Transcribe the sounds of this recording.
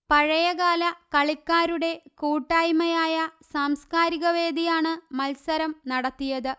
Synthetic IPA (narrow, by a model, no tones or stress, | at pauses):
pɐɻɐjɐɣaːlɐkɐɭikːaːɾuɽe̞kuːʈːaːjmɐjaːjɐsaːmskaːɾiɣɐʋe̞ːd̪ijaːɳɨmɐlsɐɾɐmnɐɽɐt̪ːijɐðɨ